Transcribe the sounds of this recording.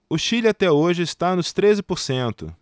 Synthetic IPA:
ʊʃilɪat̪ɛoʒɪɪst̪anʊst̪ɾezɪpoɾsẽnt̪ʊ̰

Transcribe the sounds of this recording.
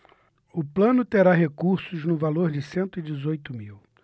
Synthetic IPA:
ʊplɐ̃nʊt̪eɾaɦekuɾsʊznʊvaloɾd͡ʒɪsẽnt̪ʊid͡ʒɪzojt̪ʊmiw

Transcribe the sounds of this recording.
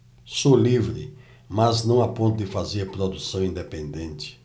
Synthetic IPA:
solivɾɪ̰ | mɐznɐ̃w̃apõnt̪ʊd̪ɪfazeɾpɾod̪usɐ̃w̃ĩnd̪epẽnd̪ẽnt͡ʃ̪ɪ̥

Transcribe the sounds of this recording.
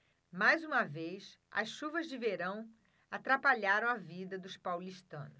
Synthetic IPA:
majzũmɐvejsɐ̰sʃuvɐzd͡ʒɪveɾɐ̃w̃ | at̪ɾapaʎaɾɐ̃w̃avid̪ɐd̪ʊspawliʃt̪ɐ̰̃nʊ

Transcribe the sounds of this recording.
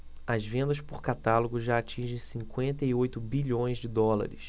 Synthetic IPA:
ɐzvẽnd̪ɐʃpʊɾkat̪alʊɡʊʒaat͡ʃĩʒẽj̃sĩŋkwẽnt̪ɐiojt̪ʊbiʎõj̃zd͡ʒɪd̪ɔla̰ɾɪs

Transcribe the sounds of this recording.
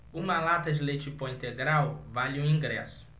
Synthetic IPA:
ũmɐlat̪ɐd͡ʒilet͡ʃipoĩnt̪eɡɾawvaʎũĩŋɡɾɛsʊ̥

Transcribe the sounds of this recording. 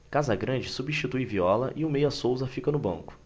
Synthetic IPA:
kazɐɡɾɐ̃d͡ʒɪsubiʃt͡ʃit̪ujviɔlɐʔɪʊmejɐsowzɐfikɐnʊbɐ̰̃ŋkʊ̥

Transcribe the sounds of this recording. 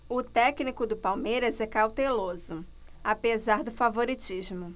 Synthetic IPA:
ʊt̪ɛknikʊd̪ʊpawmejɾɐzɛkawt̪elozʊ | apezaɾd̪ʊfavoɾit͡ʃiʒmʊ

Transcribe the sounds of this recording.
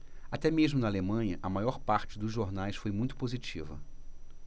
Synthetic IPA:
at̪ɛmeʒmʊnɐalemɐ̃jɲɐʔɐmajɔɾpaɾt͡ʃɪd̪ʊzʒoɾnajsfojmũj̃t̪ʊ̥pozit͡ʃivɐ̰

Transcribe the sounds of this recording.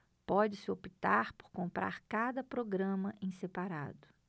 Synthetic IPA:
pɔd͡ʒɪsɪopit̪aɾpo̥ɾkõmpɾa̰ɾkad̪ɐpɾoɡɾɐ̃mɐʔẽsepaɾa̰d̪ʊ

